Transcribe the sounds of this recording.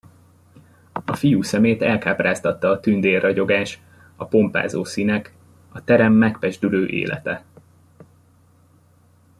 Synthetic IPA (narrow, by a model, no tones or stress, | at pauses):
ɒfijuːsɛmeːt̪ɛlkaːpraːst̪ɒt̪ːɒːt̪ynd̪eːrːɒɟo̞ɡaːʃ | ɒpo̞mpa̰ːzoːsiːnɛk | ɒt̪ɛɾɛmːɛkpɛʒd̪yløːʔḛːlʔɛ̰t̪ɛ